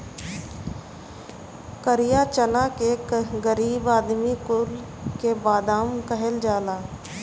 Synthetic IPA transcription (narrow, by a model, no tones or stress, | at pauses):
kəɾijat͡ʃənakeɡəɾiːbaːd̪mikʊl | kebaːd̪aːmkəɦəld͡ʒaːlaː